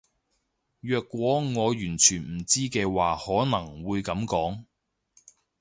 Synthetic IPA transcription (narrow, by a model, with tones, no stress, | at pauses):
jœː˨kʷːwʷɔː˨˥ŋɔː˨˧jyː˨˩nt͡ʃʰyː˨˩nm̩˨˩t͡siː˥kɛː˧waː˨hɔː˨˥nɐ˨˩ŋwuː˨˧jkɐ˨˥mkɔː˨˥ŋ